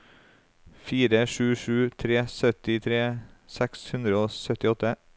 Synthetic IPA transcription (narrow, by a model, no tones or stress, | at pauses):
fiːɾəʃʉːʃʉːt̪ʰɾeːsœt̪ɪt̪ʰɾeːsɛkshʉnd̪ɾəoːsœt̪ɪɔt̪ə